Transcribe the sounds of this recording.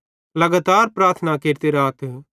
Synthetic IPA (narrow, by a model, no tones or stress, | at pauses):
lɐɡaːt̪aːɾpɾaːɾt̪ʰnakeːɾt̪eɾaːt̪